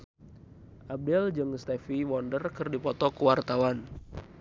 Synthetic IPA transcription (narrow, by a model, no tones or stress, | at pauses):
ʔab̚dɛld͡ʒɨŋst̪ɛfiwɔndərkɨrdipɔt̪ɔkuwart̪awan